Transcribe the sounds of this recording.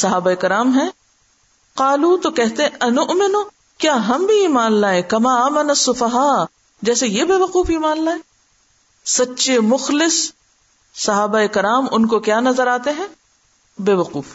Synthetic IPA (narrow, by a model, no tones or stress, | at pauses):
sɐɦaːbaeːkɪɾaːmɦɛ̃ | qaːluːt̪okɛɦt̪eɦɛ̃ʔɐnʊʔmɪnʊ | kjaːɦɐmbʱiiːmaːnlaːẽkɐmaːaːmɐnɐsːʊfɐɦaː | d͡ʒɛːsejebeːʋɐquːfiːmaːnlaːẽː | sɐtːʃemʊxlɪsː | ɐɦaːbaekɪɾaːmʊnkokjaːnɐzəɾaːt̪eɦɛ̃ | beːʋɐquːf